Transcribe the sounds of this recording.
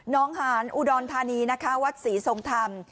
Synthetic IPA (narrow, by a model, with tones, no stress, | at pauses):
nɔː˦˥ŋhaː˩˦nʔu˧dɔː˧nt̪ʰaː˧niː˧na˦˥kʰa˦˥wa˦˥t̪̚siː˩˦so˧ŋt̪ʰa˧m